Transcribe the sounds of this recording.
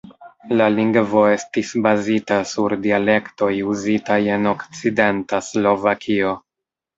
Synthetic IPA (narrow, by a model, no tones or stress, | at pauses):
laliŋɡvo̞e̞stisbazitasuɾdiale̞kto̞juzitaje̞no̞kt͡side̞ntaslo̞vakʰio̞